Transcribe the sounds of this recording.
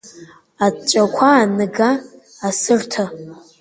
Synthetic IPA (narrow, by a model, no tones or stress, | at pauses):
at͡ʃʷʼakʷʰaːnɨɡaː | sɨrtʰɨ